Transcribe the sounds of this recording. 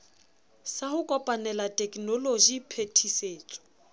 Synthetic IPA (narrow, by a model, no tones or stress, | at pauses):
sahʊkʼɔpʼanɛlatʼɛkʼnɔloʒipʰetʰiseːt͡sʼɔ̥